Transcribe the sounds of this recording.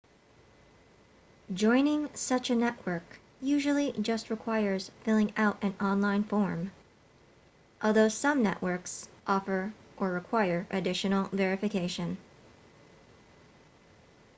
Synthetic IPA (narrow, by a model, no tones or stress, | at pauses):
d͡ʒɔ̃ɪ̃nɪ̃ŋsʌt͡ʃɨnɛʔwɜ˞k | jʉʒl̩ˠid͡ʒʌst̚ɹɨkʰw̥aɪə˞z̥fɪlˠɪ̃ŋaʊɾɨ̃nɑ̃nlãɪ̃nfɔɹm | ʔɔlˠðoʊsʌ̃mnɛ̰ʔwʔɜ˞ksʔɔfə˞ʔə˞ɹɨkʰw̥aɪə˞ʔɨdɪʃɨnl̩ˠvɛɹɨfɨkʰeɪʃɨ̃n